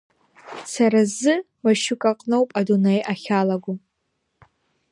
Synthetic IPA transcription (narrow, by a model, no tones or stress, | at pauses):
saɾazɨ | maʃʊkʼaqʼnowpʼadunejʔaχʲalaɡʷu